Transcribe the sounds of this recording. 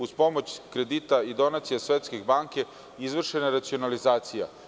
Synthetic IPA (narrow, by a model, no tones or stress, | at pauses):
uspo̞mo̞t͡ɕkɾed̪it̪aid̪o̞nat̪sijasʋet̪skeɡbaːŋke̞ | izʋr̩ʃeneɾat̪sio̞nalizaːt̪sija